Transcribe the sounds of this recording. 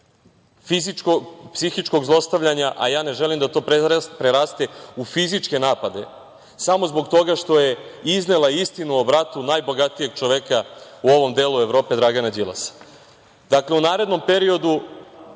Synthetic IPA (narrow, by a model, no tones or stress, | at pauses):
fiziopsixit͡ʃko̞ɡzlˠo̞st̪aʋʎaɲaʔa̰jaːne̞ʒelimd̪at̪o̞ːpɾpɾeɾast̪e̞ufizit͡ʃke̞naːpad̪e̞ | samo̞zbo̞ɡt̪o̞ɡaʃt̪o̞je̞izne̞lˠaist̪inuobɾat̪unaːjbo̞ɡat̪ije̞ɡ̚t͡ʃoʋekauo̞ʋo̞md̪e̞ːlˠue̞ʋvɾo̞ːpe̞d̪ɾaɡanad͡ʑilˠa̰sḁ | d̪akleunaːɾe̞d̪no̞mpe̞ɾio̞d̪u